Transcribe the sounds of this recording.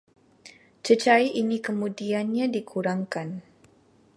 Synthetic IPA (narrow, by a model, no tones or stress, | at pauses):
t͡ʃət͡ʃaiʔinikəmudianɲadikʰuɾaŋkan